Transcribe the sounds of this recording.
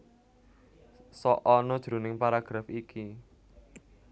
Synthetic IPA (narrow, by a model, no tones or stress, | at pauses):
sɔʔɔnɔd̥ʒ̥ɾṳnɪŋpaɾaɡ̥ɾafiki